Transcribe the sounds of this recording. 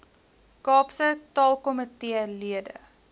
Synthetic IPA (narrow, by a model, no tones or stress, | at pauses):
kɑːpsətɑːlˠkɔmətiəliədə̰